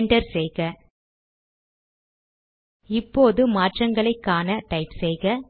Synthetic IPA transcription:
ɳɖɐɾsɛjɣɐ | ɪpːoːðɯmaːʈrɐŋɡɐɭɐɪkːaːnɐʈɐɪpsɛjɣɐ

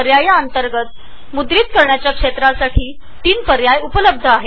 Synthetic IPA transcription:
əɾjajaənt̪əɾɡət̪̚ | mud̪ɾiːt̪kəɾɳjat͡ɕjakʂet̪ɾasaʈʰiː | t̪iːnpəɾjajupələb̚d̪ʱəaɦe

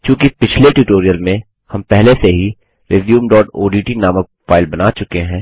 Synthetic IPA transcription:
t͡ʃũːkipɪt͡ʃʰleʈuːʈoːɾijəlmẽ | hɐmpɛɦleseɦi | ɾeːzjuːmɖɔːʈoːɖiːʈinaːmək̚ | faːɪlbɐnaːt͡ʃʊkeɦɛ̃ː

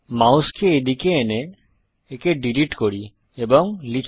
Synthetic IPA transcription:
mawskʰeːd̪ikeːneː | keɖiliʈkoɽi | ebɔŋlikʰ

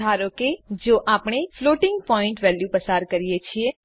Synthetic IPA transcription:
aɾoked͡ʒoʔapɳ̃efloʈɪŋɡ̚pɔĩɳʈʋɛljupəsaɾkəɾijet͡ʃʰie

